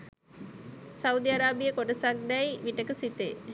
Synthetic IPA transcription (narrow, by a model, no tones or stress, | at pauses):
sɐud̪iɐɾaːbijɐkoʈɐsɐɡnɐjʋiʈːɐkɯsit̪eː